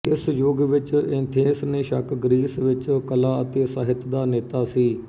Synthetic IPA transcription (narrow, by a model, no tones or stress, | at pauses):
ɪsjoːɡʋɪt͡ʃɪnt̪ʰeːsnẽːʃəkʰɡɾiːsʋɪt͡ʃkəlaːət̪eːsəɦɪt̪d̪aːneːt̪aːsiː